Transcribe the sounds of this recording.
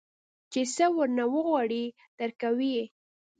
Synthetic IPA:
t͡ʃesəwəɾnawəɣwɑɽi | d̪̥əɾkawi

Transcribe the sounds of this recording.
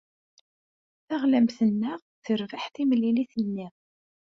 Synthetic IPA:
θæʁlæmθənːəʁ | θəɾvaħθimliliθənːi

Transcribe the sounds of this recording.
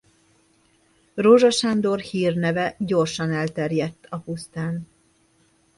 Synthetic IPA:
roʒɒʃand̪o̞rhiːrnɛvɛɟo̞rʃɒnɛlt̪ɛrjɛt̪ːɒpust̪aːn

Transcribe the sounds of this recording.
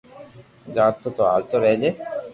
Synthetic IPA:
ɡat̪ːot̪oa̰lt̪oɾɛd͡ʑe

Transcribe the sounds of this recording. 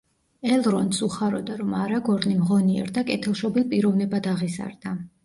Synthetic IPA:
ɛlˠɾɔnt̪sʼuχaɾɔd̪aɾɔmaɾaɡɔɾnimʁɔniɛ̰ɾd̪akʼɛt̪ʰɛlˠʃɔbilpʼiɾɔvnɛbad̪aʁiza̰ɾd̪a

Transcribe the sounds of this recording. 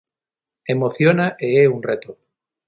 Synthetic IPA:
emoθjonaʔeeunret̪o

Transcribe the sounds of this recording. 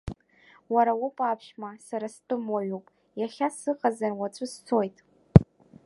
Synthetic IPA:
waɾawʊpʼapʰʃmasaɾastʼɨmwaɥupʼ | jaχʲasɨqazanwat͡sʷʼʊst͡sʰojtʼ

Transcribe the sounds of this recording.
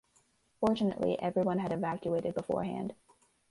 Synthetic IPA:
fɔɹt͡ʃɨnɨ̰ʔlḭʔɛvɹiwʌ̃nɨɾɨvækjueɪɾɨd̚bəfɔ̰ɹɦæ̰̃nd̥

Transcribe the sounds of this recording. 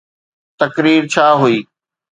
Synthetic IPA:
t̪ɐkɾiːɾt͡ɕʰaːɦuiː

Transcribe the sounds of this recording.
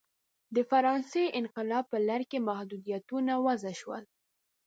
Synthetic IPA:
d̪əfaɾɑnseɪnqɪlɑb̚pːəlaɾkemahd̪ud̪ijat̪unawazaʃwə̰l

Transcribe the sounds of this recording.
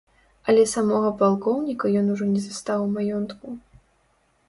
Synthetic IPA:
ɐlʲɛsamɔɣɐpalˠkɔwnʲikɐjɔnuʐɔnʲɛzast̪awmajɔnt̪ku

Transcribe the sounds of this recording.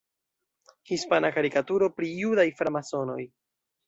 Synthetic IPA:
hispanakaɾikatuɾo̞pɾijudajfɾamaso̞no̞̰j

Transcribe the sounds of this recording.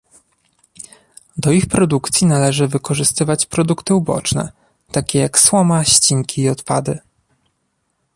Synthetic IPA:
d̪ɔixpɾɔd̪ukt̪sʲjinalɛʐɘvɘkɔʐɘst̪ɘvat͡ɕpɾɔd̪ukt̪ɘubɔ̰t͡ʂnɛ̰ | t̪akʲɛjakswɔmaɕt͡ɕiŋkʲiːɔt̪pad̪ɘ

